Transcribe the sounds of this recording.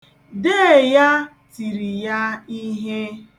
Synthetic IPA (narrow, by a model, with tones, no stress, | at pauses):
de˦˨ja˦ | ti˨ɾi˨ja˦i˦ɦe˦